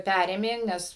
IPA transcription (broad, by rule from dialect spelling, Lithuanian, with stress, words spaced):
ˈpʲærʲeːmʲeː ˈnʲɛs